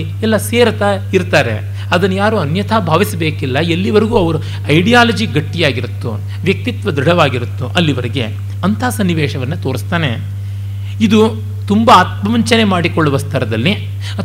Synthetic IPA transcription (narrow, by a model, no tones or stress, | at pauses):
ɛlːɐseːɾɐt̪aiɾt̪aːɾe̞̰ | ɐd̪ɐnːujaːɾuːɐnjɐt̪ʰabʱaːʋisɐbeːkilːɐelːiʋɐɾiɡuːɐʋɐɾu | ɐjɖijaːlɐd͡ʒiɡɐʈːijaːɡiɾut̪ːu | ʋjɐk̚t̪it̪ʋɐd̪ɾuɽɐʋaːɡiɾut̪ːuʔɐlːiʋɐɾeɡe̞̰ | ɐnt̪ʰaːsɐnːiʋeːʂɐʋɐnːɐt̪o̞ːɾist̪aːne̞ | id̪u | t̪umbɐaːt̪̚mɐmɐɲt͡ʃɐne̞maːɽikɔɭːuʋɐst̪ʰɐɾɐd̪ɐlːi